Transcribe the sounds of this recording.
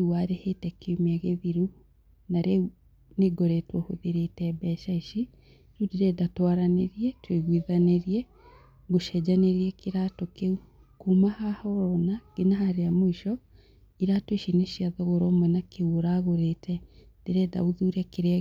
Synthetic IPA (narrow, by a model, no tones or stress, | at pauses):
waɾehetɛkemaɣeðiɾu | naɾe | neɡɔɾɛtwɔhoðeɾetɛbɛʃaiʃi | ɾudeɾɛdatwaɾaneɾiɛtweɣwiðaneɾiɛ | ɡoʃɛd͡ʒaneɾiɛkeɾatɔkeu | kumahahɔnaɡ̥enahaɾeamoiʃɔ | iɾatweʃineʃiaðɔɣoɾɔmwɛnakeuoɾaɣoɾetʰɛ | d̥eɾɛda̰uðuɾɛkeɾɛ